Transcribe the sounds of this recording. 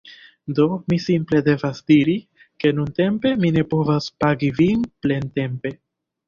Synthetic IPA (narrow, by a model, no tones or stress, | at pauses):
do̞misimple̞de̞vasdiɾi | ke̞nunte̞mpe̞mine̞po̞vaspaɡivinple̞nte̞mpe̞